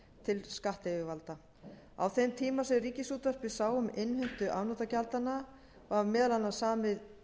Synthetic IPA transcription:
t̪ʰɪlskaht̪evɪvalt̪a | a̰wθejmt̪ʰiːmasɛriːcɪsuːt̪var̥pɪsaːwʏmɪnhʏn̥t̪ʏʔawnɔt̪acalt̪anːa | vaaɾmɛːðlanːasaːmɪð

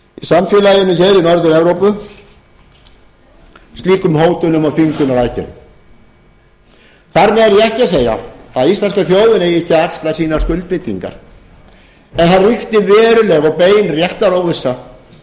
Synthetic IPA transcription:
isamfjʏːlajɪmɪçɛɾinɔɾðɪnɛvɾowpʏ | st̪liːkʏmhoːwt̪ʏnʏmaðfiŋkʏnalajcɪ̰n̰ | θaɾmɛɣɛɾjɛɛhcɪaseːja̰aðist̪anskaθjoːwðɪnɛjɪhcːaakst̪lasiːnḁskʏlt̪̚pɪt̪ːiŋka̰ɾ | ɛnθanrʏxt̪ɪvɛːɾʏlɛɣawpeːjnrjɛht̪aɾowvɪsːa

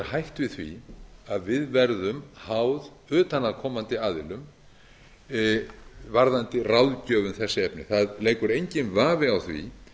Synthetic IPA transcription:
ɾhajht̪vɪðθvḭaðvɪðvɛɾðʏmhawð | ʏːt̪anaðkʰɔːmant̪ɪaːðɪlʏm | vaɾðant̪ɪrawðcœːvʏnθɛsːɪɛpnɪ̰θaðleːjkʏɾejɲcɪnvaːvɪawθvḭ

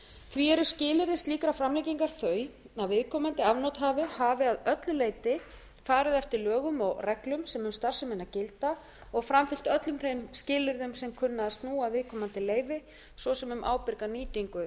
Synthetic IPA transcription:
θviɛɾʏ̥scɪːlɪɾðɪst̪liːkɾafɾamlɛjciŋkaɾ̥θœːɥ | aðvɪðkʰɔːmant̪ɪavnɔwt̪ɦaːvɪhaːvɪaðœt̪lʏleːjt̪ɪ | faːɾɪðɛft̪ɪɾlœːɣʏmɔɣrʔɛklʏmsɛmʏmst̪ar̥sɪmɪnacɪlt̪a | ɔɣfɾamfɪl̥t̪œt̪lʏmθejmscɪːlʏɾðʏmsɛmkʰʏnːaðst̪nuːaðvɪðkʰɔːmant̪ɪleːjvɪ | svɔsɛmʏmʔa̰ːwpɪɾkaniːt̪iŋkʏ

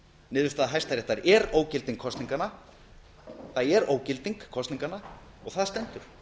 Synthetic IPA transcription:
nɪːðʏst̪aːðaɦajst̪aɾɛht̪ːaɾɛɾoːwcɪlt̪iŋkʰːɔsiŋkana | θajɛɾoːwcɪlt̪iŋkʰːɔst̪niŋkanaɔɣθaðst̪ɛnt̪ʏɾ̥

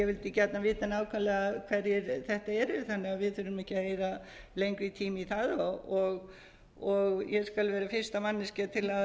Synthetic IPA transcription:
jɛvɪlt̪ɪcɛt̪navɪːt̪anaːwkʰvalɛɣakʰvɛɾjɛɾθɛht̪aɛɾɪɪθanːɪavɪðθʏɾʏmɛhcɪaðeːjɾalejŋkɾit̪ʰiːmiθaðɔɔɣ | ɔɣjɛskalvɛːɾafɪr̥st̪amanːɪscat̪ʰɪlað

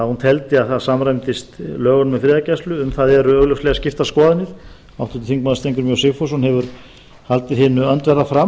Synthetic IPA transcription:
aðhunt̪ʰɛlt̪ɪaðθaðsamɾajmt̪ɪst̪lœːɣʏnmɛðfɾɪðacɛst̪lʏʏmθaðɛɾʏœɣlœwslɛɣascɪft̪askɔːðɪnɪθ | awht̪ʏ̥t̪ɪ̥θiŋk̚maðst̪ejŋkʏɾmjœwsɪfɔshunhɛvʏɾ | halt̪ɪðɦɪːnʏœnt̪vɛrːafɾa

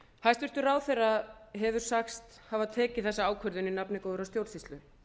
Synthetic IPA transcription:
hajst̪vɪɾ̥t̪ʏɾaːwθejraðɦɛvʏɾ̥saxst̪ | havaðt̪ʰɛːcɪθɛsːaaːwkʰœɾðʏninapnɪkoːðʏɾawst̪jowlsist̪lʏ

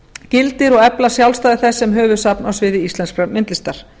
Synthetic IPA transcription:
cɪlt̪ɪɾɔɣɛplasjawlst̪aːðɪɾθɛsːɛmɦœːvʏ̥sapnawsvɪːðɪist̪lɛnskfɾɛmɪnt̪lɪst̪aɾ̥

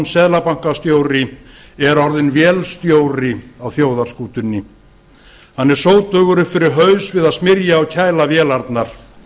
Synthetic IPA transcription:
nsɛðlapaŋ̥kast̪joːwɾɪ | ɛɾɔɾðɪnvjɛːlst̪joːwɾɪawθjoːwðaɾ̥skuːt̪ʏnːɪ | hanːɛɾ̥soːwt̪œːɣʏɾʏpfɪɾɪɾɦœɥsvɪðaðsmɪɾjaːwcʰaːjlavjɛːlaɾt̪naɾ̥

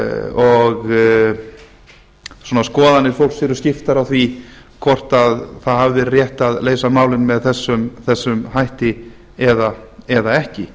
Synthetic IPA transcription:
ɔɣ | swɔːnaskɔːðanɪɾfowlksvɛɾʏscɪft̪aɾawθvi | kʰɔr̥t̪aðθaðɦavɪvɛɾrjɛht̪aðleːjsamaːwlɪnmɛðθɛsːʏmθɛsːʏmhajht̪ɪ | ɛðaɛðaɛhcɪ

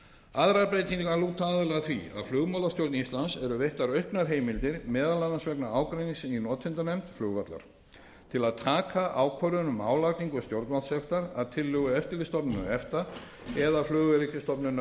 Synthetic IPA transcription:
aðɾaɾpɾejt̪iŋaluːt̪aːðʏlɛɣaθvḭa̰ðflʏɣmaːwlast̪jowɾt̪nist̪lansɛɾʏveht̪aɾœɥhpnaɾ̥ɦeːjmɪlt̪ɪɾmɛːðalaðansvɛknaaːwkɾejniŋsɪninɔːt̪ʰɪnt̪anɛmt̪flʏːɣvat̪la̰ɾ̥ | t̪ʰɪlaðt̪ʰaːkʰaʔaːwkʰvœɾʏnʏmaːwlaɣk̪niŋkʏst̪jowɾt̪malsɛxt̪aɾaðt̪ʰɪlːʏɣʏɛft̪ɪlɪst̪ɔpnʏnʏɛft̪a | ɛðaflʏːɣvɛɾicɪst̪ɔpnʏn

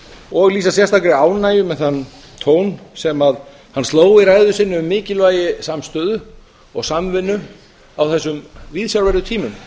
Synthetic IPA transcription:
ɔɣliːsasjɛst̪akɾɪaːwnaːjʏmɛðθanː | t̪ʰoːwnsɛmað | hansoːwɪɾaːjðʏsɪnːʏʏmːɪːcɪlvaːjɪsamst̪œːðʏ | ɔɣsamvɪnːʏ | awθɛsːʏmviðsjawlvɛɾðʏt̪ʰiːmʏm

